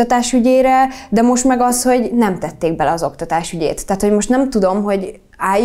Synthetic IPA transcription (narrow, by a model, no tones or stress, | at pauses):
ɒt̪aːʃyɟeːɾɛd̪ɛmo̞ʃt̪mɛɡɒsho̞ɟnɛmt̪ɛt̪ːeːɡ̚bɛlɛɒzokt̪ɒt̪aːʃyɟḛːt̪ːaːt̪ho̞ɟmo̞ʃt̪nɛmt̪ud̪o̞mɦo̞ɟ | aːj